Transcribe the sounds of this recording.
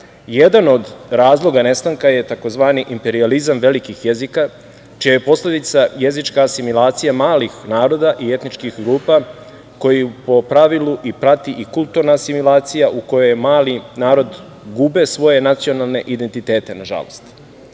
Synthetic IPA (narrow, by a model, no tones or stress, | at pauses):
jed̪ano̞d̪ɾaːzlˠo̞ɡane̞st̪aŋkaje̞t̪ako̞zʋaːniʔimpe̞ɾializamʋe̞likixjezika | t͡ʃijajepo̞sle̞d̪it̪saje̞zit͡ʃkasimilˠaːt̪sijamaːlixnaːɾo̞d̪aʔie̞t̪nit͡ʃkixɡɾuːpa | ko̞jipo̞pɾaʋiluʔipɾat̪iʔikult̪uɾnasimilaːt̪sijaʔuko̞jojemaːlinaːɾo̞d̪ | ɡube̞sʋo̞je̞nat̪sio̞nalˠne̞ʔid̪e̞nt̪it̪e̞ːt̪e̞naʒa̰lo̞̰st̪